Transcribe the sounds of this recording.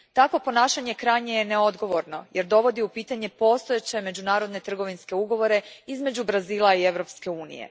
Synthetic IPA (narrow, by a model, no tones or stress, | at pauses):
t̪akʋo̞po̞naːʃaɲe̞kɾajɲe̞jeneo̞d̪ɡo̞ʋo̞ɾno̞jeɾd̪o̞ʋo̞d̪iupiːt̪aɲe̞po̞st̪ojet͡ɕe̞me̞d͡ʑunaːɾo̞d̪ne̞t̪r̩ɡo̞ʋinske̞uɡo̞ʋo̞ɾe̞izme̞d͡ʑubɾaziːlˠaie̞ʋɾo̞pske̞uːnḭjḛ